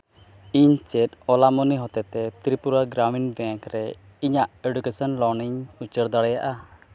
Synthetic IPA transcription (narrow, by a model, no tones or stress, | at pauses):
iɲt͡ʃɛtɔlamɔniɦɔt̪ɛt̪ɛt̪ɾipuɾaɡɾaminbɛ̃ŋkɾɛ | iɲaʔeɖukesɔnlɔɾniɲut͡ʃəɾd̪aɽɛjaʔa